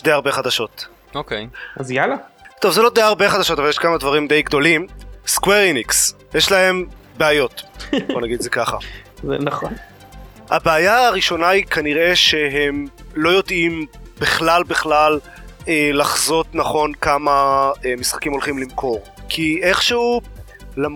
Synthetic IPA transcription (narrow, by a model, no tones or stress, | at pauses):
d̪ejaʁbe̞χad̪aʃo̞t̪ | okejazjalat̪o̞vzelo̞d̪ejaʁbe̞χadaʃo̞t̪avaljeʃkamad̪vaʁimd̪e̞jɡd̪o̞limskweʁiniks | jeʃlae̞mbeajo̞t̪o̞naɡid̪zekaχa̰zḛnaχon | habeajaːʁiʃo̞naikaniʁe̞ʃeɦe̞mlo̞jo̞d̪imb̥iχlalbiχlal | elaχzo̞t̪naχo̞nkamaemisχḁkimo̞lχimlimkʰo̞ʁkʰie̞χʃeu | lam